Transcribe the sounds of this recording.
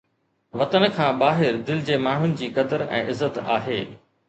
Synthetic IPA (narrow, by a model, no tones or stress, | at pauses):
ʋɐt̪ənəkʰãːbaːɦɪɾd̪ɪld͡ʑeːmaːɳ̤ʊnɪ̆d͡ʑiːkɐd̪əɾɛ̰̃ːʔɪzət̪a̰ːɦeː